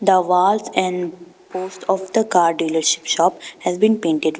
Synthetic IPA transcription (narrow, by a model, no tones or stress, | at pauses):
d̪əʋaːlsɛ̃ɳɖ | poːsʈɔfd̪əkaːɾɖiːləɾʃɪ̥pʃɔːphɛzbĩnpẽːɳʈeɖ